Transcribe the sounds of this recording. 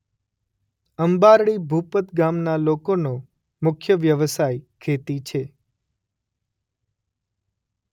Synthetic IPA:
əmbaɾɭibʱupət̪ɡamnalokono | mʊkʰjəʋjəʋəsajkʰet̪it͡ʃʰe

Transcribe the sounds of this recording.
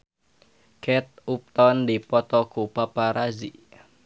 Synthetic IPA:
kʰɛt̪̚up̚t̪ɔndipɔt̪ɔkupapaɾazḭ

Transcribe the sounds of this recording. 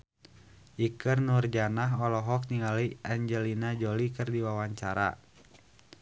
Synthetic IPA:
ʔikərnurd͡ʒanaɦɔlɔɦɔk̚niŋaləaɲd͡ʒɛlinad͡ʒɔlikɨrdiwawaɲt͡ʃaɾa̰

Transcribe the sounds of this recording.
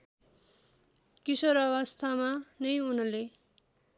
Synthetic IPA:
kisʌɾʌβʌst̪ʰamanʌjunʌle

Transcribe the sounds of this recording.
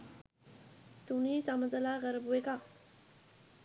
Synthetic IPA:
t̪unisaməd͡zəlaɣəɾəbueka

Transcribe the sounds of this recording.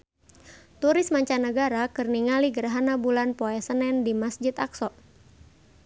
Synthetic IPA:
t̪uɾɪsmaɲt͡ʃanəɡaɾakɨrniŋaliɡəɾaɦanabulanpɔɛsənɛndimasd͡ʒɪt̪aksɔ

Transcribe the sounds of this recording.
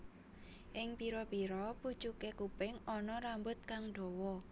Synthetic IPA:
ʔɪŋpiɾɔpiɾɔpu̥t͡ʃukekupɪŋɔnɔɾambʊt̪̚kaŋɖ̥o̤wɔ

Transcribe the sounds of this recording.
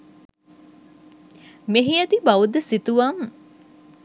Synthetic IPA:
meɦijɐt̪ibaʋud̪əsit̪uʋaŋ

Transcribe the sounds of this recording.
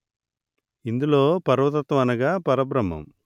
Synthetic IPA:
ind̪uloːpɐɾʋɐt̪̬ɐt̪ʋɐɐnɐɡaːpɐɾɐbɾɐmːɐ̰m

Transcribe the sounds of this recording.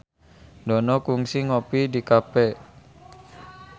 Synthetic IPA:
dɔnɔkuŋsiŋopidikapɛ

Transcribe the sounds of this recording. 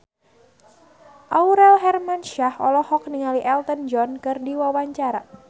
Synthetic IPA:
ʔauɾɛlɦɛrmanʃahɔ̰lɔhɔk̚niŋaliʔɛlt̪ənd͡ʒɔnkɨrdiwawaɲt͡ʃaɾa

